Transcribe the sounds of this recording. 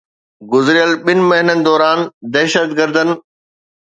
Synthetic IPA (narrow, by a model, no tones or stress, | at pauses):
ɡʊzɾɪjəlɓɪnɪ̆mɐɦɪnənd̪ɔːɾaːnd̪ɛɦʃət̪ɡəɾd̪ənɪ̆